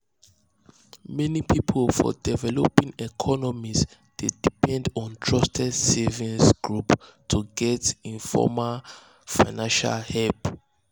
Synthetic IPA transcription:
mɛnipʰipʰolfɔ̰dɛvɛlɔpĩŋɛkʰɔnɔmis | d̥edipɛ̃ndɔ̃ntʰɹɔstʰɛdsɛvĩnsɡ̥ɹuptʰuɡɛtĩnfɔ̰ma | fajnãnʃa̰lhɛlp

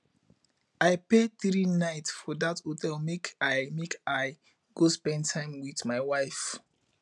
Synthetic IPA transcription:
aɪpeθɹinaɪtsfɔdathotʰɛlmekʰaɪmekaɪ | ɡospɛ̃ndtʰːãɪ̃mwiθmaɪwaɪf

